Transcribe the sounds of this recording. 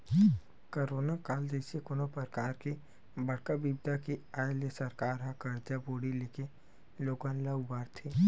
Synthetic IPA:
koɾoːnakaːld͡ʒɛːsekonopəɾkaːɾki | bɐɽkabibd̪akiaːelesɐɾkaːɾɦãkɐɾd͡ʒaboːɽileːke | loːɡãnlaʊbaːɾt̪ʰeː

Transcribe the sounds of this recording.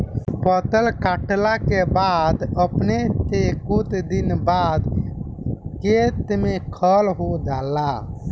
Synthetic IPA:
pət̪əlkaʈlakebad̪əpnet̪ekut̪d̪inbad̪ | ket̪mekʰəlɦod͡ʒala

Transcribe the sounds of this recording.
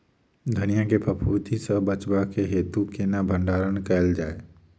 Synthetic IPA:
d̪ʱənijakepəpʰuːt̪isəbət͡ʃbakeɦeːt̪ukenabʱə̃ɳɖaːɾənkɛɪld͡ʒaːe

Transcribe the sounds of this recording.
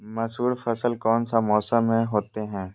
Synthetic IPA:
mɐsɦuːɾfɐsəlkɔːnsamɔːsəmːẽɦoːt̪eɦɛ̃ː

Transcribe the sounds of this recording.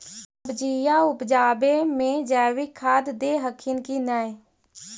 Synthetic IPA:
əbd͡ʒiːjaːʊpd͡ʒaːbeːmẽd͡ʒɛːʋikʰaːd̪d̪eːɦəkʰinkiːnaːeː

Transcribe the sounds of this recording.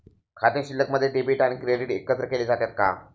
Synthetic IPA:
kʰat̪eɕilːəkməd̪ʱːjeʈibiʈaɽ̃ikɾeɖiʈekət̪ɾəkeled͡zat̪jat̪̚ka̰

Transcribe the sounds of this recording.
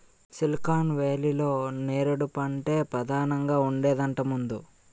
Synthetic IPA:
silkaːnʋeːlilo̞ːneːɾuɽupɐɳʈe̞ːpɾɐd̪ʱaːnɐŋɡaːuɳɖeːd̪ɐɳʈɐmund̪u

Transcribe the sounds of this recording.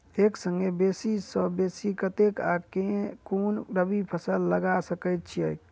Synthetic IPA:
eksəŋɡebesisəbesikət̪eka̰kekonɾəbipʰəsəlːəɡasəkəjt̪̚t͡ʃʰiəjk

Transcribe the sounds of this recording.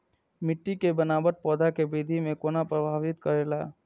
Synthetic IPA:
mɪʈːikebɐnaːbəɾ̚pɔːd̪ʱakebiːd̪ʱimẽkoːnapɾɐbʱaːʋɪt̪̚kɐɾeːlaː

